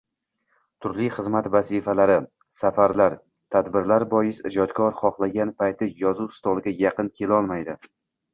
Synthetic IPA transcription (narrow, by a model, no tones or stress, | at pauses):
t̪ʰʊɾlijχɨzmat̪vazifalaɾɪ | safaɾlaɾ | t̪ʰad̪bɪɾlaɾbɒjɪsɪd͡ʒɒd̪kʰɒɾχɒχlˠaɡʲanpʰajt̪ʰɪjɒzust̪ɒlˠɡʲajaqɨnkʲʰe̞lɒlˠmajd̪ɪ